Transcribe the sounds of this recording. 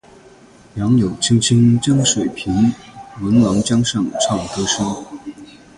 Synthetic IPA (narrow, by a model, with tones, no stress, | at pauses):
jɑ˧˥ŋjo˨˩ʊt͡ɕʰi˥ŋt͡ɕʰi˥ŋt͡ɕjɑ˥ŋʂwe˨˩ɪpʰi˧˥nwə˧˥nlɑ˧˥ŋt͡ɕjɑ˥ŋʂɑ˥˩ŋʈ͡ʂʰɑ˥˩ŋt̪ɤ˥ʂɤ˥ŋ